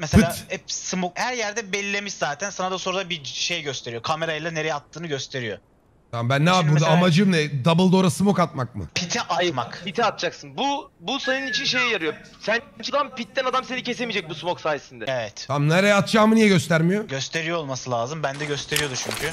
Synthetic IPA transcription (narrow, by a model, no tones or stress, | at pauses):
mɛselʲaːɛsɯmokhæɾjæɾd̪ɛbelʲilːʲemiʃzaːt̪ʰænsanad̪asoɾud̪abiʃe̞jɟøst̪ʰe̞ɾijo̞kʰame̞ɾajlˠane̞ɾejɛat̪ʰːɯːnɯɟø̞st̪ʰe̞ɾijo̞̰ | t̪ʰambænːɛaud̪amad͡ʒɯmnɛd̪abɯlˠd̪oːɾasɯmokat̪̚mak̚mɯ̰pʰit̪ʰɛʔat̪makpit̪ʰɛat̪̚t͡ʃʰaksɯnbubusanɯnit͡ʃʰinʃe̞jɛjaɾɯjo | sæn | nt͡ʃʰɯlˠampit̪̚ːænad̪amse̞nicʰe̞s̬e̞mid͡ʒɛc̚busmoksaːjesind̪ɛevɛt̪ʰamneɾejɛat̪d͡ʒaːmɯnijɛɟøst̪æɾmijoɟø̞st̪ʰe̞ɾijoolˠmasɯlʲˠaːzɯmbænd̪ɛɟøst̪ʰe̞ɾijo̞d̪ut͡ʃʰyɲcʰy